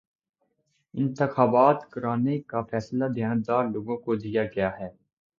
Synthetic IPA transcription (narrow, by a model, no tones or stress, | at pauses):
ɪ̃nt̪ɪxaːbaːt̪kəɾaːnekafɛːslad̪ʱjaːnd̪aːɾloːɡõkod̪ijaɡɐjaːɦɛː